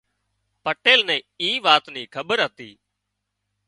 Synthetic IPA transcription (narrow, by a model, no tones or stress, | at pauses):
pəʈeːlnɛ̃ː | iːʋaːt̪niːkʰəɓəɾɦət̪ḭː